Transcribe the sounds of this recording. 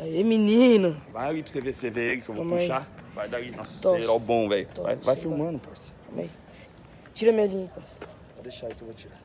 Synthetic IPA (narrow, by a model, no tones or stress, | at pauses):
eminĩnɐvajipseveseveekɪkewvoõmẽavajd̪ainɔsoeɾawbõw̃vɛjʊva̰jvajfiwmɐ̃nʊpɔskomḛj | ɛj | t͡ʃiɾɐmeɐlĩkɐ | vad̪eʃaikewvot͡ʃiɾa